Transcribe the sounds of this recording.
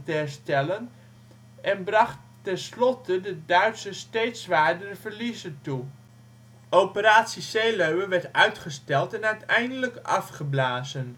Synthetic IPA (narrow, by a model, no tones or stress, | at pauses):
tɛɹstɛlən | ʔɛnbrɑχt | ɛnslɔtʰədədœɥtsəstejtsʋaːɹdərəv̥əɹlizəntu | ʔopəɾaːtsisejløɥəʋɛɹtœɥtχəstɛlˠtɛnœɥtʰɛjndələkɑfχəblaːzən